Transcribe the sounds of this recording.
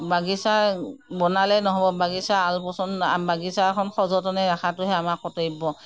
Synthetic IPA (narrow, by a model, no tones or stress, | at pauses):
baɡisaɹbɔnalɛnɔɦɔbɔbaɡisaalpɔsɔnabaɡisakʰɔnxɔzɔtɔnɛɹaxʰatʊɦɛamakːɔtebɔ